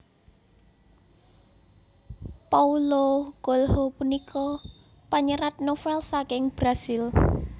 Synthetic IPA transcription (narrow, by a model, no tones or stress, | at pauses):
pauloɡ̥olhɔpunikʰɔ | paɲəɾat̪̚nofɛlsakɪŋb̥ɾasil